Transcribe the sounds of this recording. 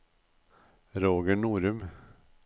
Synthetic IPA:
ɾoːɡəɳuːɾʉm

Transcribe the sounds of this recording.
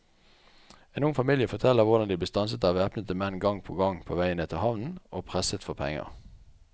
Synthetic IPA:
eːnʊŋfɑmiljəfɔʁt̪ʰɛlːəʁʋʊʁd̪ɑnd̪ibəst̪ɑnsət̪ɑːʋeːpnət̪əmɛnɡɑŋpʰoːɡɑŋpʰoːʋæɪəneːt̪ʰɪhɑʋnn̩oːpʰʁɛsət̪fɔʁpʰɛ̰ŋə̰ʁ

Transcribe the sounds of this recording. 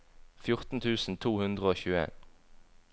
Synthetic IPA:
fjʊʁt̪n̩t̪ʰʉːsn̩t̪ʰuːhʉnd̪ʁəoːçʉːəḛːn

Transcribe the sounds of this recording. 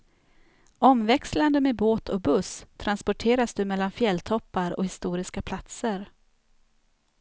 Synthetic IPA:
ɔmvɛksland̪əmeboːt̪ʰɔbɵst̪ʰːɾanspɔʈʰeːɾasd̪ɵmɛlːanfjɛlt̪ʰɔpːaɾɔ̰hɪst̪uːɾɪskapʰlat̪səɾ

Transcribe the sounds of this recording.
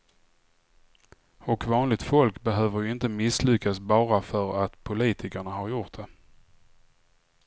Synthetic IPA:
ɔkvɑːnlɪɡt̪fɔlkbɛɦøːvəɾjɪnt̪əmɪslʏkːasbɑːɾafœɾat̪pʰʊliːt̪ʰɪkəɳaɦaɾjʊʈ̪̚d̪ɛ

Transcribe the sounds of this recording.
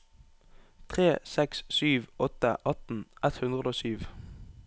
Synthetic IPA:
t̪ʰʁeːsɛkssyːʋɔt̪əʔɑt̪n̩ʔɛt̪hʉnd̪ʁəd̪oːsyːʋ

